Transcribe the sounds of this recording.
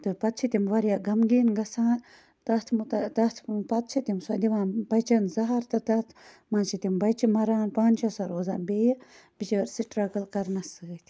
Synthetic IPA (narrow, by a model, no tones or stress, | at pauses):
t̪ɨpɐt̪̚t͡ʃʰit̪ʲimʋɐɾjaɡɐmɡiːnɡɐsaːn | t̪ɐt̪ʰmut̪ɐt̪ɐt̪ʰpɐt̪̚t͡ʃʰit̪imsɐd̪iʋãːnbɐt͡ʃɐnzɐɦɐɾt̪ɐt̪ɐt̪ʰ | mãːnt͡ʃʰit̪imbɐjt͡ʃimɐɾaːnpaːnʲt͡ʃʰɐsɐɾoːza̰ːnbeːjɐ | b̥it͡ʃɐɐɾsiʈɾɐkɐlkɐɾnɐsɨɡət̪ʰʲi